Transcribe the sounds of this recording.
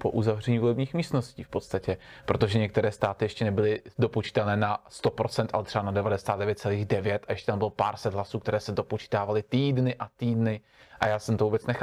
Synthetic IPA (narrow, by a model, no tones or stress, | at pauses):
po̞ʔuzavrɛɲiːvolɛbɲiːxmiːst̪no̞sciːfpo̞t̪st̪acɛpɾot̪o̞ʒɛɲɛk̚t̪ɛɾɛːst̪aːt̪ɪjɛʃcɛnɛbɪlɪdo̞pot͡ʃi̥t̪ɛlnɛːnast̪o̞pɾo̞tt͡sɛnt̪ʔa̰lɛt̪r̥ɛbanadɛvadɛsaːd̪dɛvjɛt̪̚t͡sɛliːɣdɛvjɛt̪ʔajɛʃcɛt̪ambɪlopaːɾsɛd̪ɦlasuːkt̪ɛɾɛːsɛdo̞pot͡ʃi̥t̪aːvalɪt̪iːdnɪʔat̪iːdnɪ | ʔajaːsɛmt̪ovuːbɛtt͡snɛxa